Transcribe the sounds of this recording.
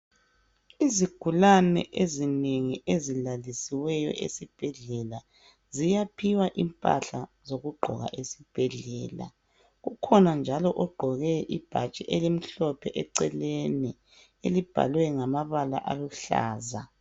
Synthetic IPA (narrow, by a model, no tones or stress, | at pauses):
iziɡ̥ʱulanɛ̰ʔezineŋiʔezilalisiwɛjɔ̰ʔḛsib̥ʱɛɮɛla | zijapʰiwaʔimpʼa̰ɬazoɣuɡ͡ǃʱɔ̰ɣa̰ʔesib̥ʱɛɮɛːla̰ | ɣukʰɔnand͡ʒʱalɔʔɔɡ͡ǃʱɔɣɛʔib̥ʱat͡ʃʼiʔelim̩ɬɔpʰɛʔɛǀɛleni | elib̥ʱa̰lwɛŋamaβala̰ʔaluɬa̰ːza